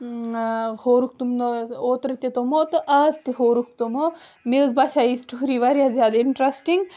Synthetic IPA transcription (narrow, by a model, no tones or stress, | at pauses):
hoːɾuk̚t̪umoːt̪ɾɐt̪it̪omoːt̪ɨʔɐzt̪iɦoːɾuk̚t̪umomeːzbɐsʲaisʈoːɾiːʋɐɾjazjaːd̪iɳʈɾɐsʈiŋɡ